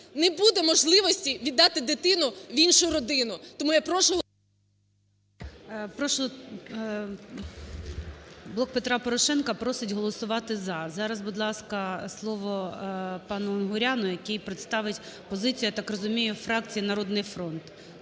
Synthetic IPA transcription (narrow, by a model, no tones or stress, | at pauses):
nɛbud̪ɛmɔʒlˠɪʋɔsʲtʲiʋʲid̪ːɑt̪ɪd̪ɪt̪ɪnʊʋʲinʃʊɾɔd̪ɪnʊt̪ɔmujapɾɔʃʊ | pɾɔʃ | blˠɔkpet̪ɾɑpɔɾɔʃɛnkɐpɾɔsɪtʲɦɔlˠɔsʊʋɑt̪ɪzɐzɑɾɐzbud̪lˠɑskɐslˠɔʋɔpɑnʊːnɦʊɾʲɑnʊjɐkɛjpɾɪt̪st̪ɑʋɪtʲ | pɔzɪt͡sʲijɐt̪ɑkrɔzʊmʲijʊfɾɑk̚t͡sʲijinɐɾɔd̪nɪjfɾɔnt̪